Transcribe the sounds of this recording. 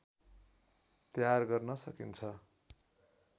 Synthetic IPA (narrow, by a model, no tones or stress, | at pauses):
t̪jarɡʌrnʌsʌkint͡sʰʌ